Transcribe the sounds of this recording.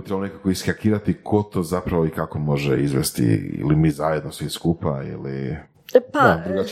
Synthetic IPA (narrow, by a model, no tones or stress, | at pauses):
t̪ɾebaonekakoiskakiːɾat̪ikʰo̞t̪o̞ːzapɾaʋoikako̞mo̞ʒeizʋḛst̪ḭḭlimizajed̪nosʋiskupaḭlḭ | pad̪ɾuɡa